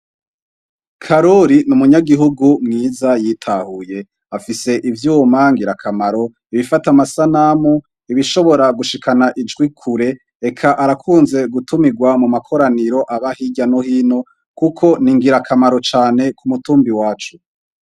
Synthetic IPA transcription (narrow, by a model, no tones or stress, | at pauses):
kʰaɾoɾinumuɲaɡiɦuɡumŋiːzajitʰahuje̞ | afise̞ʔivjuːmaŋɡiɾakʰamaɾo̞ | iβifatamasanamu | iβiʃo̞βo̞ɾaɡuʃikʰanaʔid͡ʒɡwikʰuɾe̞ | ekʰaʔaɾakʰuːnze̞ɡutumiɡwamumakʰo̞ɾaniɾo̞ʔaβahiɟanohiːno̞ | kukʰo̞niŋɡiɾakʰamaɾo̞t͡ʃaːne̞kumutuːmbiwaːt͡ʃu